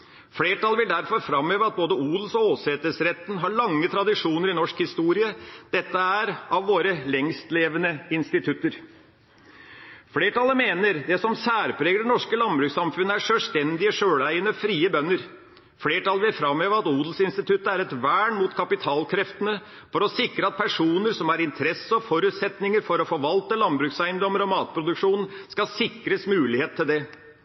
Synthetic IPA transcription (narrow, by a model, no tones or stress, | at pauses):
fleːʈɑlʋɪld̪æɾfɔɾfɾɑmøːʋəɑt̪̚boːd̪əuːd̪l̩sɔoːseːt̪əsɾɛt̪ːnɦɑɭɑŋːət̪ʰɾɑd̪ɪʂuːnəɾɪnɔʂkhɪst̪uːɾɪəd̪̥ɛt̪ːəæɾɑʋʋoːɾəlɛŋst̪leːʋənəɪnst̪ɪt̪ʰʉt̪ːəɾ | fleːʈɑlːəmeːnəɾd̪ɛsɔmsæːɾpʰɾeːɡəɖɛnɔʂkəlɑnbɾʉːksɑmfʉnːəæʂølst̪ɛnd̪ɪəʂøːɽæɪənəfɾiːəbœnːəɾ | fleːʈɑlʋæfɾɑmhøːʋəɾɑt̪uːd̪lsɪnst̪ɪt̪ʰʉt̪əæɾɛt̪ʋæːɳmuːt̪kʰɑpɪt̪ʰɑːlkʰɾɛft̪ənə | fɔɾɔsɪkɾəɑt̪̚pʰæʂuːnəɾsɔmæɾɪnt̪ʰɾɛsəɔfɔɾʉːt̪sɛt̪nɪŋəɾfɔɾɔfɔɾʋɑlt̪əlɑnbɾʉːksæɪnd̪ɾɔmːəɾɔmɑːt̪̚pʰɾʊd̪ʉkʂuːnn̩skɑsɪkɾəsmʉːlɪheːt̪ʰːɪld̪ɛ